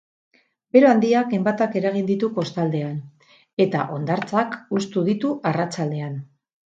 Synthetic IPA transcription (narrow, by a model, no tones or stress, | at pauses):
be̞ɾo̞and̪iake̞mbat̪ake̞ɾaɣ̞ind̪it̪uko̞st̪ald̪e̞an | e̞t̪a̰ʔo̞nd̪aɾt͡sakust̪uðit̪uʔarat͡ʃald̪e̞an